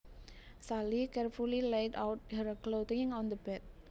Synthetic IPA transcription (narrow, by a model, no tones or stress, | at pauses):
salikɛrfulileɪtawt̚həɾklot̪ɪŋɔ̃nd̪əbɛt̪̚